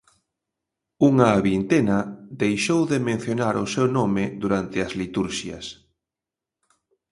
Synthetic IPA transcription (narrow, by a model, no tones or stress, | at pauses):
uŋaːβint̪enɐðejʃowðemẽn̟θjonaɾʊsewnɔmɪðuɾant̪ɪɐzlit̪uɾʃjɐ̰s